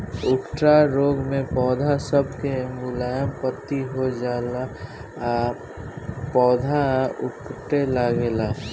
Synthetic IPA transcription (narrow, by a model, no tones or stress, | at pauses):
ʊkʈɾaɾoːɡmẽpɔːd̪ʱasəbʱkeemɡulaːjəmpət̪ːiɦod͡ʒaːla | pɔːd̪ʱaʊkʈelaɡela